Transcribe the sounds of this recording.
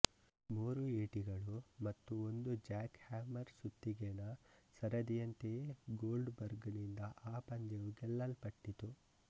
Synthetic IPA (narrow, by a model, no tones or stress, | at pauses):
muːɾueːʈiɡɐɭumɐt̪ːuond̪ud͡ʒaːkhaːmɐɾsut̪ːiɡenɐsɐɾɐd̪ijɐnt̪eeɡoːlɖbɐɾɡnind̪ɐʔaːpɐɲd͡ʒɐʋuɡɛlːɐlpɐʈːit̪u